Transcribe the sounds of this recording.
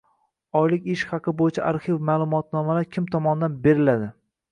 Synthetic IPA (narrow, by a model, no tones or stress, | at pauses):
ɒjlɪkʲɪʃχɑqʰɨbojɪt͡ʃʰaʔaɾχivmaːlˠʊmɒt̪nɒmalaɾkʲʰɪmt̪ʰɒmɒnɪd̪anbe̞ɾɪlad̪ɪ